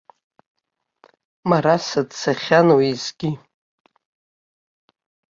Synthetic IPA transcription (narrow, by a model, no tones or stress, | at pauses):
maɾasɨdsaχʲanwizɡʲi